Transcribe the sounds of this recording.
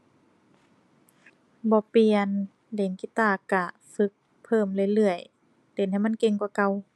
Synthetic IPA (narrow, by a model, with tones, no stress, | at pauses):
bɔː˧˦pi˧ən | le˨˩˦ŋki˧t̪aː˧˩ka˧˩ | fɯ˧˦k̚ | pʰɤː˧˩˨mlɯ˧˨jlɯ˧˩əj | t̪e˨˦nha˧˨jma˧˥˨nke˧ŋkwa˧˩˦ka˧w